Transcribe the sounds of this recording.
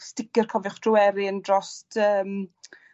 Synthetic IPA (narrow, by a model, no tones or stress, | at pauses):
stɪɡɪrkʰɔvʊχd̥rʊwɛɾiəndrɔstʰəːm